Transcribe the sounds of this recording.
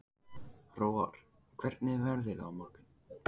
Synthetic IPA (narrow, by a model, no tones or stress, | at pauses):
roːwa̰ɾ̥ | kʰv̥ɛɾ̥t̪nɪvɛɾðɪla̰mɔrkʏn